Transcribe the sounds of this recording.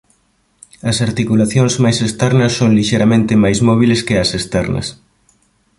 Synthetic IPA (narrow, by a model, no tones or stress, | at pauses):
ɐsaɾt̪ikulaθjoŋzmajsest̪ɛɾnɐsːoŋliʃejɾamẽnt̪ɪmajzsmɔβ̞ilɪskɪɐsest̪ɛɾnɐ̰s